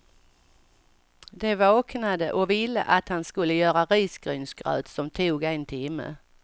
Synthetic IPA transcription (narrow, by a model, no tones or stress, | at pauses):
d̪ɛvɑːknad̪əʔɔvɪlːə̰ʔat̪hanskɵlːəjœːɾaɾiːsɡ̥ɾyːnsɡ̥ɾœ̰ːt̪sɔmt̪ʰuːɡɛnt̪ʰɪmːə̰